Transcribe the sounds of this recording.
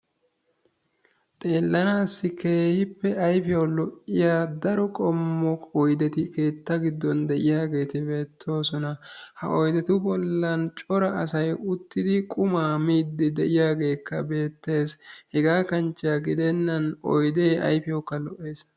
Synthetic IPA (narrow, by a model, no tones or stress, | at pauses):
t̪ʼe̞ːlːɐnaːsːɪke̞ːhɪpːɛʔɐjfɪjɐwlɔʔɪjaːd̪ɐɾɔkʼɔmːɔɔjd̪ɛt̪ɪke̞ːt̪ːɐɡɪd̪ːɔnd̪ɛʔɪjaːɡe̞ːt̪ɪbe̞ːt̪ʰːo̞ːsɔnɐhɐ̰ʔɔjd̪ɛt̪ʊbɔlːɐnt͡ʃʼɔɾɐɐsɐjʊt̪ːɪd̪ɪkʼʊmaːmiːd̪ːɪd̪ɛʔɪjaːɡe̞ːkːɐbe̞ːt̪ːe̞ːshɛɡaːkɐnt͡ʃːɪjɐɡɪd̪ɛnːɐnɔ̰jd̪e̞ːɐ̰jfɪjɐwkːɐlɔʔe̞ːs